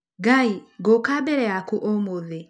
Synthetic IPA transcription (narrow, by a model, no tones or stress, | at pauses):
ɡaiɡokabɛɾɛakuʔomoðe